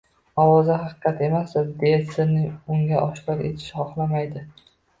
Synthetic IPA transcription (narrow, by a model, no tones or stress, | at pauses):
ɒwɒzaɦɑqɨ̥qʰɑt̪e̞masɪd̪et̪sɪnɪʊŋɡʲaʔɒʃqɒɾe̞̰t̪ʰɪ̥ʃɪχɒχlˠamajd̪ɪ